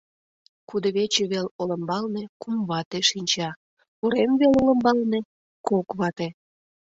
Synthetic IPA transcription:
kud̪əβet͡ɕeβeloləmbɑlnekumβɑt̪eʃinʲt͡ɕɑ | uɾemβelolə̆mbɑlne | kokβɑt̪e

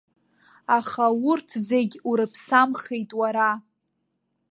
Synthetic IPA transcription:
aχawʊrtʰzeɡʲuɾɨpʰsamχejtʼwaɾa

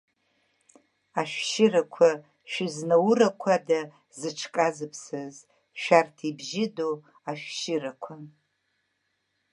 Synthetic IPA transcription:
aʃᶣʃɪrakʷʰa | ʃᶣɪznawrakʷʰada | zɨʈ͡ʂʰkʼazɨpʰsɨz | ʃᶣartʰibʒɪdo | aʃᶣʃɪrakʷʰa

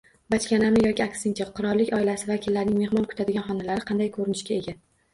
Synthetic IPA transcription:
bat͡ʃkʲanamɪjɒkʲiakʲsɪŋt͡ʃʰaqʰʊɾɒɾlːɪkʲɒɪlasɪvakʲʰɪlːaɾnɪŋme̞hmɒnkʰʊ̥t̪ʰad̪ɪɡʲanχɒnalaɾɪqʰɑnd̪ajkʰɵɾɪnɪʃkʲae̞ɡʲa

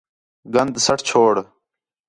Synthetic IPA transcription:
ɡɐnd̪sɐʈʰt͡ɕʰoːɽ

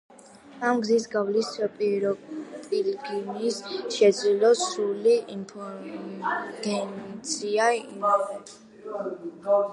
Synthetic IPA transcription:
amɡzisɡavlispʼiɾɔpʼilɡinisʃɛd̪zlilɔsuliimpʰɔɾ | ɡ̥ɛnt̪sʰiai

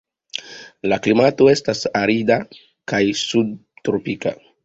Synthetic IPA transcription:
laklimato̞e̞stasaɾida | kajsud̚tɾopika̰

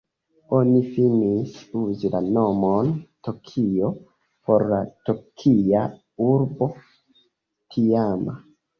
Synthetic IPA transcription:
o̞nifinisuzilano̞montokʰio̞ | po̞ɾlatokʰia | uɾbo̞ | tʰiama̰

